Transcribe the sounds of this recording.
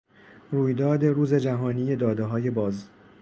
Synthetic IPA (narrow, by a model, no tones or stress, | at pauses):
ɾuːjd̪ɒːd̪e̞ɾuːze̞d͡ʒæɦɒːniːje̞d̪ɒːd̪eɦɒːje̞bɒːz